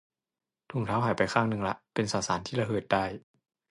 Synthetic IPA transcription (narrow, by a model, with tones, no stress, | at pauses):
t̪ʰu˨˩ŋt̪ʰaː˦˥wɦa˨˩jpa˧jkʰaː˥˩ŋnɯ˧ŋla˦˥ʔpe˧nsaː˨˩saː˩˦nt̪ʰiː˥˩ɾa˧ɦɤː˨˩t̪̚daː˥˩j